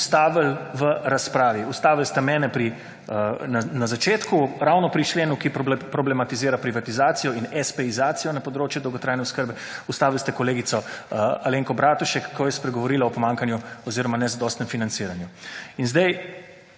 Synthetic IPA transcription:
st̪aːʋəlʋəɾaspɾaːʋiust̪aːʋilst̪ɛmɛːnɛpɾi | nnazat͡ʃeːt̪kuɾawnɔpɾit͡ʃleːnukipɾɔblɛmat̪iziːɾapɾiʋat̪izaːt̪sijɔinɛspɛizaːt̪sijɔnapɔd̪ɾoːt͡ʃjud̪ɔwɡɔt̪ɾajnɛuskəɾbɛ | ust̪aːʋilst̪ɛkɔleːɡisɔaleːŋkɔbɾaːt̪uʃɛkːɔjɛspɾɛɡɔʋɔɾiːlaɔpɔmaːŋkanjuɔziːɾɔmanɛzad̪ɔːst̪nɛ̃mfinansiːɾanjuinzd̪ɛj

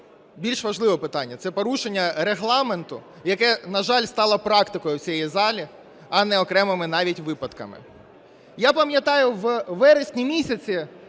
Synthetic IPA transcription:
bʲilʲʃʋɐʒlˠɪʋɔpɪt̪ɑnʲːɐt̪sɛpɔɾuʃenʲːɐɾeɦlˠɑment̪ʊ | jɐkɛnɐʒɑlʲst̪ɑlˠɐpɾɑkt̪ɪkɔjʊwt͡sʲiɛjizɑlʲi | ɐnɛɔkɾɛmɪmɪnɑʋʲitʲʋɪpɐt̪kɐ̰mɪ̰ | japɐmʲjɐt̪ɑjʊʋʋɛɾesʲnʲimʲisʲɐt͡sʲi

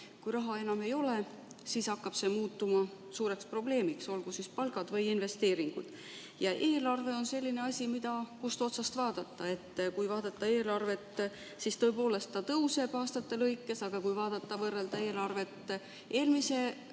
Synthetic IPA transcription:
kujɾɑɦɑe̞nɑme̞jo̞le̞ | sisɑkːɑb̥se̞muːt̪ːˑumɑ | suːɾe̞kspro̞ble̞ːmikso̞lɡ̥usispɑlɡ̥ɑd̪̥vɤjinve̞st̪e̞ːɾiŋɡ̥ṵd̪̥ | jɑʔe̞ːlɑrve̞o̞nse̞lʲːine̞ɑsʲimid̪̥ɑkust̪o̞t̪sɑst̪vɑːd̪̥ɑt̪ːˑɑe̞t̪ːkujvɑːd̪ɑt̪ːˑɑe̞ːlɑrve̞t̪ː | sist̪ɤ̞epo̞ːle̞st̪ːɑt̪ɤwse̞b̥ɑːst̪ɑt̪ːe̞lɤjkːˑe̞sɑɡ̥ɑkujvɑːd̪̥ɑt̪ːˑɑvɤrːeld̪ɑe̞ːlɑrve̞t̪ː | ʔe̞ːlmise̞

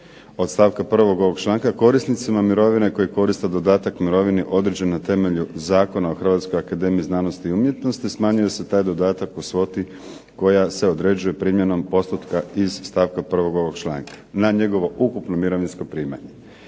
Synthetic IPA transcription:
o̞d̪st̪aːʋkapr̩ʋo̞ɡo̞ʋo̞ɡt͡ʃlˠaːŋkako̞ɾisnit̪simamiɾo̞ʋine̞ko̞jiko̞ɾist̪ad̪o̞d̪aːt̪akmiɾo̞ʋiniʔo̞d̪ɾed͡ʑennat̪e̞me̞ʎuzaːko̞naoxr̩ʋat̪skojakad̪e̞ːmiiznaːnost̪iːumje̞t̪no̞st̪ismaːɲuje̞se̞t̪aːjd̪o̞d̪aːt̪akusʋo̞t̪i | ko̞jase̞od̪ɾe̞d͡ʑuje̞pɾiːmje̞no̞mpo̞st̪ut̪kaizst̪aːʋkapr̩ʋo̞ɡo̞ʋo̞ɡt͡ʃlˠa̰ːŋkḁnaɲe̞ɡo̞ʋo̞ʔukupnomiɾo̞ʋinsko̞pɾiːma̰ɲe̞

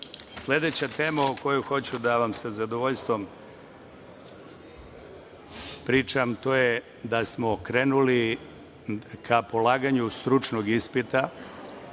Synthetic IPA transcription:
sle̞d̪e̞t͡ɕat̪e̞ːmaoko̞juxo̞t͡ɕud̪aʋamsazad̪oʋoʎst̪ʋo̞m | pɾiːt͡ʃamt̪o̞ːje | d̪asmokɾe̞ːnuli | kʰapo̞laːɡaɲust̪ɾut͡ʃnoɡispit̪a

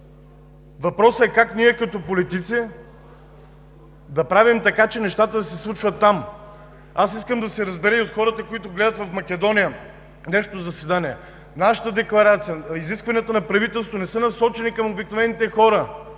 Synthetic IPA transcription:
vɐpɾɔsəɛkakniɛkɐt̪ɔpolit̪it̪si | d̪ɐpɾavimt̪ɐkat͡ʃɛnɛʃt̪at̪əd̪ɐsɛslˠut͡ʃvət̪ːam | asiskəmd̪ɐsɛɾɐzbɛɾəiot̪xɔɾət̪əkoit̪ʊɡlɛd̪ət̪vɐfmɐkʲɛd̪ɔnijə | nɛʃo̥t̪ozɐsɛd̪aniɛ | naʃə̥t̪əd̪ɛklˠɐɾat̪sijəiziskvɐniət̪ənɐpɾɐvit̪ɛlˠst̪vonɛsɤnɐsɔt͡ʃɛnikɐmobiknovɛnit̪ɛxɔɾə

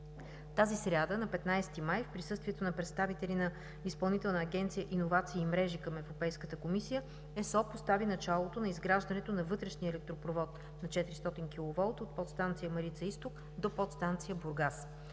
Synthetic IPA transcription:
t̪azisɾʲad̪ənɐpɛt̪najst̪imajfpɾisɤst̪viɛt̪onɐpɾɛt̪st̪avit̪ɛlinɐ | ispɐlˠnit̪ɛlˠnəːɡʲɛnt̪sijəʔinovat̪siːmɾɛʒikəmɛvɾopɛjskət̪əkomisijə | ɛsɔpost̪avinɐt͡ʃalˠot̪onɐizɡɾaʒd̪ɐnɛt̪onɐvɤt̪ɾɛʃniəɛlɛk̚t̪ɾopɾovɔt̪ | nɐt͡ʃɛt̪ɾist̪ɔt̪inkilˠovɔlˠt̪ot̪̚pɔt̪st̪ant̪sijəmɐɾit̪səist̪ok | d̪opɔt̪st̪ant̪sijəbuɾɡas

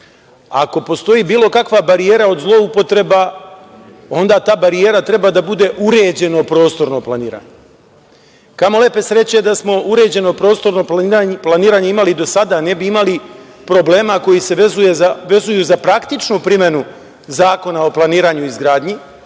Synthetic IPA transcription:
a̰ko̞po̞st̪o̞jiːbiːlˠo̞kakʋabaɾije̞ːɾao̞d̪zlˠo̞upo̞t̪ɾe̞ba | o̞nd̪aːt̪aːbaɾije̞ːɾat̪ɾe̞baːd̪abud̪e̞ʔuɾe̞ːd͡ʑe̞no̞pɾo̞ːst̪o̞ɾno̞planiːɾa̰ːɲe | kamo̞le̞pe̞sɾe̞t͡ɕed̪asmo̞uɾe̞d͡ʑe̞nopɾo̞ːst̪o̞ɾno̞aplaniːɾaːɲeimalid̪o̞sad̪ane̞biimali | pɾo̞ble̞ːmako̞jise̞ʋezujeaʋe̞zujuːzapɾakt̪it͡ʃnupɾime̞nu | zaːko̞nao̞plˠaniːɾaːɲuizɡɾaːd̪ɲi

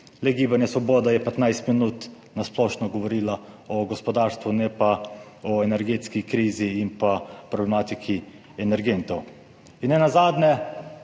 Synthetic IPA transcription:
lɛɡiːbanjɛsʋɔbɔːd̪ajɛpɛt̪najst̪minut̪ | nasplɔːʃnɔɡɔʋɔɾiːlaɔɡɔspɔd̪aːɾst̪ʋunɛpaɔɛnɛɾɡeːt̪skikɾiːziːnpapɾɔblɛmaːt̪ikʰi | ɛnɛɾɡent̪ɔw | inːɛnazaːd̪nɛ

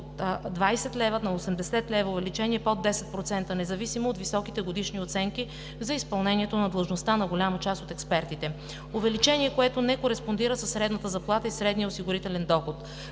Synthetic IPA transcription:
ot̪d̪vajsɛt̪lɛvənɐosɛmd̪ɛsɛt̪lɛvəʊvɛlit͡ʃɛniɛpod̪ːɛsɛt̪̚pɾot̪sɛnt̪ənɛzɐvisimoːt̪visɔkit̪ɛɡod̪iʃniot̪sɛŋki | zɐispɐlˠnɛniɛt̪onɐd̪lˠʒnost̪anɐɡolʲamət͡ʃast̪ot̪ɛkspɛɾt̪it̪ɛ | ovɛlit͡ʃɛniɛkoɛt̪onɛkoɾɛspond̪iɾəsɐsːɾɛd̪nət̪əzɐplˠat̪əisɾɛd̪nijəosiɡʊɾit̪ɛlɛnd̪ɔxot̪

